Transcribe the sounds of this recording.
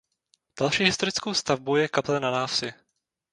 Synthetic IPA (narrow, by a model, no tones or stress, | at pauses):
d̥alʃiːɦɪst̪o̞ɾɪt͡skowst̪avbuwjɛkaplɛnanaːft͡sɪ